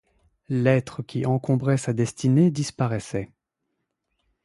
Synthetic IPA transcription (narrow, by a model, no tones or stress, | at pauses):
lɛt̪χəkʲiʔɑ̃kɔ̃bʁɛsad̪ɛst̪ined̪ispaʁɛsɛ